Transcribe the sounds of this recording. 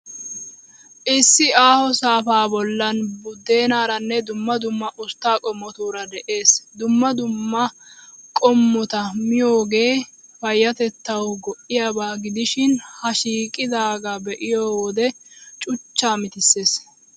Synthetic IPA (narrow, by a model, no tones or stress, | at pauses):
ʔɪsːɪaːhɔsaːfaːbɔlːɐnbʊd̪ːe̞ːnaːɾɐnːɛd̪ʊmːɐd̪ʊmːɐʔʊst̪ːaːkʼɔmːɔt̪uːɾɐd̪ɛʔe̞ːsd̪ʊmːɐd̪ʊmːɐkʼɔmːɔt̪ɐmɪjo̞ːɡe̞ːfɐjːɐt̪ɛt̪ːɐwɡɔʔːɪjabaːɡɪd̪ɪʃɪnhɐʃiːkʼɪd̪aːɡabɛʔɪjowɔd̪ɛt͡ʃʼʊt͡ʃːaːmɪt̪ɪsːe̞ːs